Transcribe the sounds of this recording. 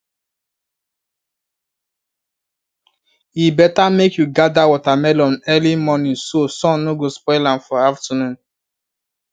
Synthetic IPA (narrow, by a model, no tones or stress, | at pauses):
ibɛtamekjuɡadawɔtamɛlɔ̃nɛlimɔnĩnsosɔ̃mnoɡospɔɪlãmfɔaftanũn